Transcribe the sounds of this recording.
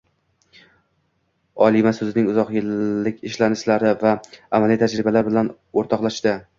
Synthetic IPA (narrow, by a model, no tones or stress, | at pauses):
ɒlˠimasɵzɪnɪŋʊzɒqjɪlːɪkʲʰɪʃlanɪʃlaɾɪvaːmalit̪ʰad͡ʒɾɪbalaɾbɪlan | oɾt̪ʰɒqlˠaʃd̪ɪ